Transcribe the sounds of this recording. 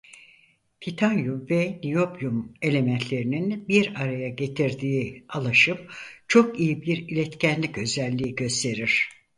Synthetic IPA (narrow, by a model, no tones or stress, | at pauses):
pʰit̪ʰanjuvɛnijo̞pjume̞lʲe̞mɛnt̪ʰlʲe̞ɾininbiɾaɾajaɟe̞t̪ʰiɾd̪iːalˠaʃɯmt͡ʃʰo̞kijibiɾilʲɛt̪cʰænlʲicø̞zælʲːiːɟø̞st̪ʰe̞ɾiɾ̥